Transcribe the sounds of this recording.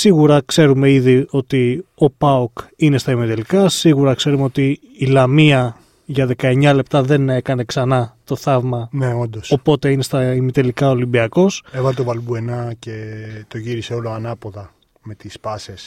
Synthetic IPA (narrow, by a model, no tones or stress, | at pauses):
siɣuɾɐkse̞ɾume̞iðio̞t̪io̞pɐokine̞st̪ɐimit̪elikɐsiɣuɾɐkse̞ɾumeo̞t̪iː | lɐmiɐ | ʝɐðe̞kɐe̞ɲɐle̞pt̪ɐðe̞ne̞kɐne̞ksɐnɐt̪o̞θɐvmɐne̞o̞nd̪oso̞po̞t̪e̞ine̞st̪ɐimit̪e̞likɐolimbiɐko̞sevɐlet̪ovɐlbue̞nɐce̞t̪o̞ʝiɾiseo̞loɐnɐpo̞ðɐ | me̞t̪ispɐses